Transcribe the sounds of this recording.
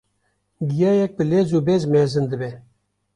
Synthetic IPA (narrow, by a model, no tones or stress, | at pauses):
ɡijɑːjɛk̚bəlezuːbezmɛzɨnd̪ɨbe